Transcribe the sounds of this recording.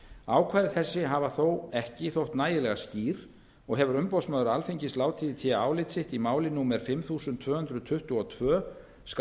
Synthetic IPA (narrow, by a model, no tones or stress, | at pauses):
aːwkʰvaːjðɪθɛsːɪɦavaθowɛhcɪθowht̪naːjɪlɛɣasc̪iːɾ̥ | ɔɣɦɛvʏɾʏmpɔwsmœːðʏɾalfiɲcɪst̪laːwt̪ʰiːðɪt̪ʰɪaaːwlɪt̪sɪht̪imaːwlɪnumɛɾ̥fɪmθuːsʏnt̪ʰv̥œːhʏnd̪ɾʏðt̪ʰʏht̪uɔt̪ʰvœː | sk